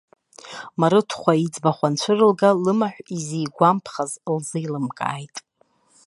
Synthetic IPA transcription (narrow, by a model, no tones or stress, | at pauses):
maɾɨtʰχʷaid͡zbaχʷant͡ɕʷʰɨrɨlɡalɨmaħʷizijɡʷampʰχazlzɨjlɨmkʼa̰ːjtʼ